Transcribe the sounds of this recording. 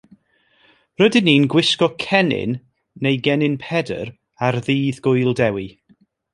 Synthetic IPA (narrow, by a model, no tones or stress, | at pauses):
rədɨniːnɡwɪskɔkʰɛnɪ̰nː | ejɡɛnɪnpʰɛdə̰ɾ | arðiːðɡʊjlˠdɛwi